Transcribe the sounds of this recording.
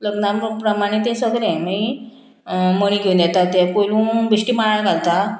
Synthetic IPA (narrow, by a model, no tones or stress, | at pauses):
ləɡnapɾəmaɽ̃et̪̬ẽsəɡɾɛ̃mi | məɽ̃iɡʱeũnd̪jɛt̪at̪ɛpojlũːbiɕʈiːmaɭaɭɡʱalt̪a